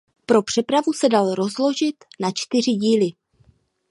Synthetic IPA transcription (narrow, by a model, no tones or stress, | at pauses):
pɾo̞pr̝̥ɛpɾavusɛdalɾo̞zlo̞ʒɪt̪nat͡ʃt̪ɪr̝ɪɟiːlɪ